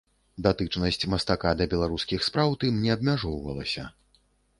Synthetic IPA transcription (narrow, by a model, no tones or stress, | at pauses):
d̪at̪ɨt͡ʂnɐsʲt͡sʲmɐst̪akad̪ɐbʲɛlˠaɾuskʲixspɾawt̪ɨmnʲɛɐbmʲaʐɔwvɐ̰lˠɐsʲɐ̰